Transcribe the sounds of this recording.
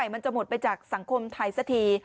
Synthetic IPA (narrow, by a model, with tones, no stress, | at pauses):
a˨˩jma˧nt͡ɕa˨˩mo˨˩t̪̚pa˧jt͡ɕaː˨˩k̚sa˩˦ŋkʰo˧mt̪ʰa˧jsa˧˩t̪ʰiː˧